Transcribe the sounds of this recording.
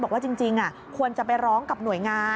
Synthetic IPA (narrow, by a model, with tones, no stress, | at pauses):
ɔ˨˩waː˥˩t͡ɕi˧ŋt͡ɕi˧ŋʔa˨˩ | kʰu˧ənt͡ɕa˨˩pa˧jɾɔː˦˥ŋka˨˩p̚nu˨˩˦jŋaː˧